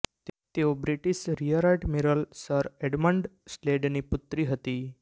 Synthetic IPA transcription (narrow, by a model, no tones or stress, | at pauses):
t̪eobɾiʈisɾijəɾaʈmiɾəlsəɾeɖmə̃ɳɖsleɖniput̪ɾiɦət̪iː